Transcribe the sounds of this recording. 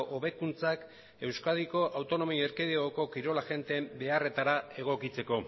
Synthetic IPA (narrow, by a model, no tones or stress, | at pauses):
ʔoβe̞kunt͡sak | e̞wskað̞iko̞ʔawt̪o̞no̞mieɾkeðeoko̞kiɾo̞laʝe̞nt̪eːmbe̞are̞t̪aɾae̞ɣ̞o̞kit͡se̞ko̞